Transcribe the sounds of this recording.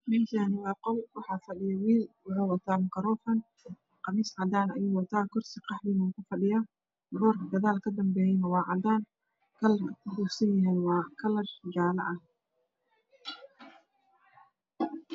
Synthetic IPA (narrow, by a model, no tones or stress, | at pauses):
mɛːʃɐnɪwɑːqɔlwɑħɑːfɐɖɪjɐwiːlwʊhɔwɐt̪ʰaːmɐkʰɐɾɔːfɐn | qɑmiːsʕɑd̪aːnɐ̰juːwɐt̪ʰaːkʰɔrsɪqɑħliːnɐkʰʊfɐɖɪja | ɡɔːrkʰɐd̪ɐðaːlkʰɐd̪ɐmbɛːjɛnɐwɑːʕɑd̪aːn | kʰɐlɐrɐkʰʊhuːsɐjɪjaɛːnwɑːkʰɐlɐrd͡ʒaːlɐ̰ʔɐh